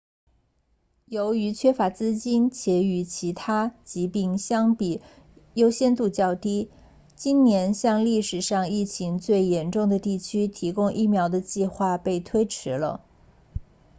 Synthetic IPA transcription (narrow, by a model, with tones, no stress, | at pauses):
jo˧˥ʊy˧˥t͡ɕʰɥɛ˥fa˧˥t͡sɹ̩˥t͡ɕi˥nt͡ɕjɛ˧˥y˧˥t͡ɕʰi˧˥t̪ʰa˥t͡ɕi˧˥pi˥˩ŋɕjɑ˥ŋpi˨˩ | jo˥ʊɕjɛ˥nt̪u˥˧t͡ɕjɑ˥˩ʊt̪i˥ | t͡ɕi˥nnjɛ˧˥nɕjɑ˥˧ŋli˥˩ʂɻ̩˨˩ʂɑ˥˧ŋi˥˩t͡ɕʰi˧˥ŋt͡swe˥˩ɪjɛ˧˥nʈ͡ʂʊ˥˩ŋd̪ə˩t̪i˥˩t͡ɕʰy˥t̪ʰi˧˥kʊ˥ŋʔi˥˩mjɑ˧˥ʊd̪ə˧t͡ɕi˥˧xwa˥˧pe˥˩ɪt̪ʰwe˥ɪʈ͡ʂʰɻ̩˧˥lə̰˧